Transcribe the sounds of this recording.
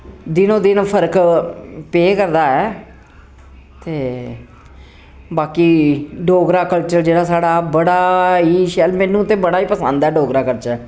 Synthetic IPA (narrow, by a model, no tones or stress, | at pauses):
d̪ɪnõːd̪ɪnpʰəɾk | peːkəɾd̪aːɛː | t̪eː | baːkiːɖoːɡɾaːkəlt͡ʃəɾd͡ʒeːɽaːsaːɽaːbəɽaːiːʃɛːlmɛ̃ːnũːt̪ẽːbəɽaːiːpəsənd̪ɛːɖoːɡɾaːkəɾt͡ʃɛː